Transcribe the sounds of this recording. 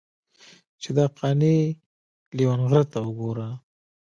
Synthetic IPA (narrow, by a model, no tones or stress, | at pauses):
t͡ʃed̪ɑqʰɑne | liwanɣɾat̪awəɡoɾa